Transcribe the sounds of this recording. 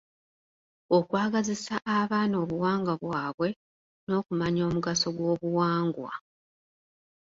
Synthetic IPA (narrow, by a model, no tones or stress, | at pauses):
okwaːɡazisaʔaβaːno̞ːβuwaːŋɡaβwaːβwe̞ | no̞ːkumaɲo̞ːmuɡaso̞ɡwo̞ːβuwaːŋɡwa̰